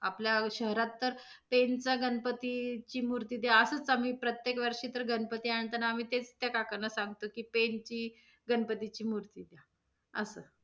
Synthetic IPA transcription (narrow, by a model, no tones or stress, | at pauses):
apljaɕəɦɾat̪ːəɾ | pent͡saɡənpət̪it͡ɕiːmuɾt̪iːd̪jaəsət͡sam̤iːpɾət̪jekʋəɾʂiːt̪əɾɡənpət̪iaɳt̪ənaːm̤iːt̪et͡st̪jakakənəsaŋɡt̪okiːpent͡ɕiː | ɡənpət̪it͡ɕiːmuɾt̪id̪ja | ə̰sə